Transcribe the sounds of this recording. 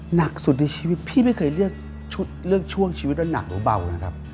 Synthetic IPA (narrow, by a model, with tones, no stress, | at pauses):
na˨˩k̚su˨˩t̪̚na˧jt͡ɕʰiː˧wi˦t̪̚pʰiː˥˩ma˥˩jkʰɤː˧˩jlɯ˥˩ək̚ | t͡ɕʰu˦˥t̪̚lɯ˥˩ək̚t͡ɕʰu˥˩əŋt͡ɕʰi˧i˦˥t̪̚wa˧˥˩na̰˨˩k̚ɾɯː˨˦ba˨˩wna˦˩kʰa˦˧˥p̚